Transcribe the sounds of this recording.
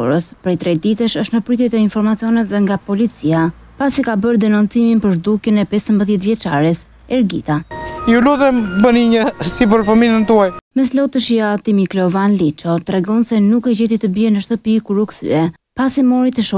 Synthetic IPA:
ɔ̰ɾəspɾɛjt̪ɾɛd̪it̪əʃəʃt̪nəpɾyt̪ɛt̪əinfɔɾmat͡siɔnɛvɛŋɡapɔlit͡sia | pasikabəɾd̪ɛnɔnt͡siminpəɾʒd̪ukənɛpɛsəmbəðjɛt̪vjɛt͡ʃaɾɛs | ɛɾɡḭt̪ajuluðɛmbəniɲəsipəɾfəminənət̪uajmɛslɔt̪əʃjat̪imiklɔvanlit͡ʃɔt̪ɾɛɡɔnsɛnukɛd͡ʑɛt̪it̪əbiɛnəʃt̪əpikuɾukθy̰ɛ | pasimɔɾit̪əʃɔ

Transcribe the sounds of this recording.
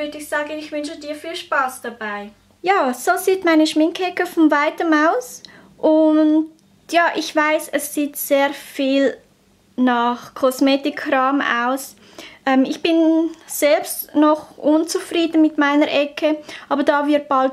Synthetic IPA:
vʏdəɪçsaːɡənɪçvʏnʃədiːɐfiːlʃpaːsd̥ab̥aɪ | jaːsoːziːtmaɪnəʃmɪŋkɛkəfɔnvaɪtəmaʊs | ʔʊnd | jaːʔɪçv̥aɪsɛsːiːtz̥eːfiːl | naχkʰɔsmeːtɪkʰrɑːma̰ʊs | ʔɛːmɪçb̥ɪnz̥ɛlpstnɔχʔʊnt͡sufriːdən̩mɪtmaɪnəɾʔɛkʰəʔɑːbədaːvɪɐt̚b̥alt

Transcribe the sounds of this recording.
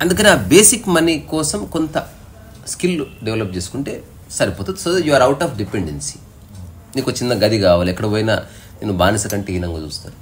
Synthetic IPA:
ɐnd̪ukɐniaːbeːsikmɐnikɔːsɐmkont̪ɐ | skilːuɖeʋlɐp̚t͡ʃe̞ːsu̥kuɳʈe̞̰ː | sɐɾipoːt̪ud̪sod̪juɐːɾɐwʈaːfɖipeɳɖensi̥ | niːkot͡ʃːinːɐɡɐd̪ikaːʋaːluɛkːɐɽɐboːjinɐ̰ | nenubaːnɐsɐkɐɳʈeinɐŋɡaːt͡ʃṵːst̪aːɾu

